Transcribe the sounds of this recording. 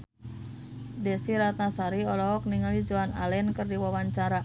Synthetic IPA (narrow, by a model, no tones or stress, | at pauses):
dɛsiɾat̪̚nasaɾiɔlɔɦɔk̚niŋalid͡ʒoanalɛnkɨrdiwawaɲt͡ʃaɾa